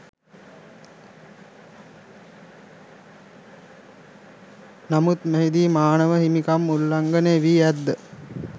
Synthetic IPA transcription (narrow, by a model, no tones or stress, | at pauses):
namut̪meɦid̪iːmaːnəʋəhimikamːulːaŋɡəneeʋiːæd̪ːə